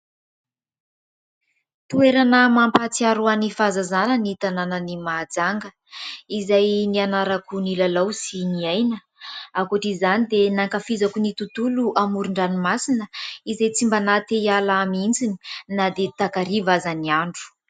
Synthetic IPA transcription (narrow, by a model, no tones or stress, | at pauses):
t̪ueɾanəmampat͡siaɾuanifazazanənit̪ananənimad͡zaŋɡə | izajnianaɾakunilalawsiniajnə | akoʈ͡ʂizanid̪enaŋkafizakunit̪ut̪uluʔamuɾuɳɖ͡ʐanimasinəizajt͡simbanat̪ejalaamint͡sini̥nad̪et̪akaɾivazaniaɳɖ͡ʐu̥